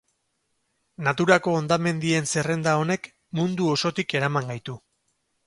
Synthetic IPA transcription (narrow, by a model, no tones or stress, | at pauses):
nat̪uɾako̞ːnd̪ame̞nd̪ie̞nse̞re̞nd̪ao̞ne̞k | mund̪uo̞so̞t̪ike̞ɾamaŋɡajt̪u